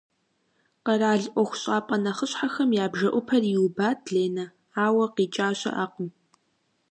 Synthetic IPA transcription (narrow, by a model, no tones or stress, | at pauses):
qɐɾaːɮʔʷɔxʷʊ̥ɕʼaːpʼɐnɐχəɕħaxɐmjaːbʒɐʔʷʊpʰɐrjiwubaːtʰɮeːnɐ | aːwɐqiːt͡ʃʼaːɕɐ̰ʔaːqən